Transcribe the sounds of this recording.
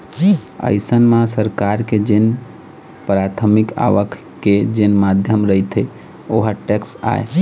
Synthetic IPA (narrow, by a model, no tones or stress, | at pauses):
ə̰ɪsənmãsəɾkaɾked͡ʒen | pɾat̪ʰəmika̰ʋəkʰ | ked͡ʒenmad̪ʱjəmɾəit̪ʰe | oɦaʈeksa̰e